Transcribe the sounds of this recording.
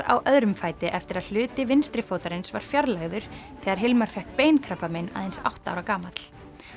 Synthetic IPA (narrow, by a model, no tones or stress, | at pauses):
ɾa̰wʔœðɾʏmfaːjt̪ɪʔɛft̪ɪɾaðl̥ʏːt̪ɪvɪnst̪ɾɪfoːwt̪aɾɪnsvaɾ̥fjaɾlɛɣðʏɾ̥θɛːɣaɾ̥ɦɪlmaɾ̥fɛhk̚peːjnkʰɾœpːamena̰ːðensa̰wht̪aa̰wɾakaːmat̪l̥